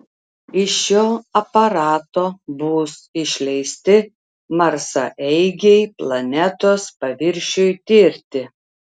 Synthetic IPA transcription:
ɪʃoːɐpɐɾɑːt̪oːbʊːsɪʃʲlʲɛɪsʲt̪ʲɪ | mɐɾsɐ̰ʔɛɪɡʲɛɪplˠɐnʲɛt̪oːspɐʋʲɪɾʲʃʲojt̪ʲɪɾʲt̪ʲɪ

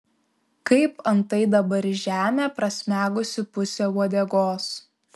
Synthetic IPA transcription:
kɐɪpɐnt̪ɐɪd̪ɐbɐɾʒʲæːmʲeːpɾɐsʲmʲæːɡʊsʲɪpʊsʲeːuɔd̪ʲɛɡoːs

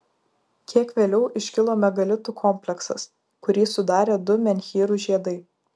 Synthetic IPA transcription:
kʲiɛkʋʲeːlʲɛʊʔɪʃʲkʲɪlˠoːmʲɛɡɐlʲɪt̪uːkʰɔmʲpʲlʲɛksɐ̰s | kʊɾʲiːsʊd̪ɑːɾʲeːd̪ʊmʲɛnʲxʲiːɾʊʒʲiɛd̪ɐɪ

